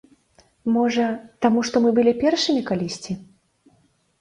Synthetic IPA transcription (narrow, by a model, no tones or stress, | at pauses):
mɔʐɐt̪amuʂt̪ɔmɨbɨlʲipʲɛrʂɨmʲikalʲisʲt͡sʲi